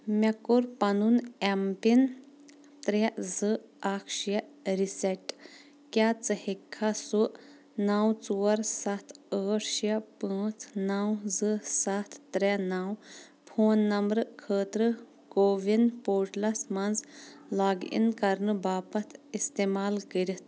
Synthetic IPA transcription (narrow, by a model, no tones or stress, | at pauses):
mɐkuɾpɐnunempin | t̪ɾeʔzɨ | ɐkʰʃjɐɾisɛʈː | kat͡sɨhikʰːasuʔ | nɐwt͡suːɐɾsɐt̪ʰəːʈʃjɐpə̃ːt͡sʰnɐwzɨsɐt̪ʰːɾenaw | pʰoːnːɐmbɾɨkʰəːt̪ɾɨ | koːʋinpoːʈlɐsmɐnzlaːɡḭnkɐɾnɨbaːpɐt̪ʰist̪eːmaːlkəɾʲit̪